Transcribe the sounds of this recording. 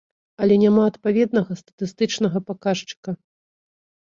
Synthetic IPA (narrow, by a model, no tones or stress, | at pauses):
ɐlʲɛnʲamaɐt̪pavʲɛd̪̚nɐɣɐst̪ɐ̥t̪ɨst̪ɨt͡ʂnɐɣɐpakaʂt͡ʂɨ̥kɐ